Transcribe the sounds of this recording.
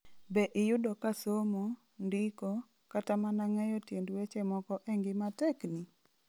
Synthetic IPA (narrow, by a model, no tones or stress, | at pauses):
bɛʔɪjʊdɔkasomo | ndɪkɔ | katamanaŋɛjɔtjendwet͡ʃemɔkɔʔeŋɡɪmatɛkni